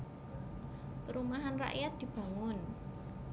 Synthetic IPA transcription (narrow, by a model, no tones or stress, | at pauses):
pəɾumaɦanra̰ʔjat̪̚d̪̥i̤b̥a̤ŋʊn